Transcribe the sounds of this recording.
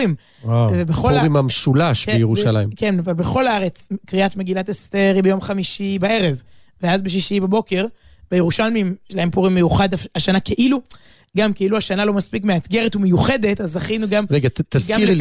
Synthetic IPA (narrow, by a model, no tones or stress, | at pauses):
im | avebeχouʁimamʃulaʃbejeʁuʃalajimkenvalbeχo̞laaʁet͡skʁiat̪me̞ɡilatest̪e̞ʁibejomχamiʃibae̞ʁe̞v | veazbeʃ̬iʃiibabo̞ke̞ʁ | b̥ejeʁuʃalmimʃelahempuʁimːejuχad̪afaʃanakeʔilu | ɡamkeiluaʃanalo̞maspik̬meat̪ɡe̞ʁetume̞juχe̞d̪e̞tazaχinuɡamʁeɡet̪azɡakiʁ